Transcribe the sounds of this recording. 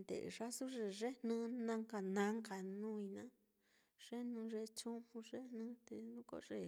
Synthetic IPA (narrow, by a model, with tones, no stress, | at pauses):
nd̪ḛ˨ʐa˦su˦ʐe˧˨ʐe˦nũ˦nã˧ŋka˧nã˧˦ŋka˧nũ˦i˧nã˦ | ʐ̥e˦nũ˧ʐe˧t͡ʃũ˦hũ˧ʐe˦nũ˧˦t̪e˧nũ˦ko̰˧ʐe˦˨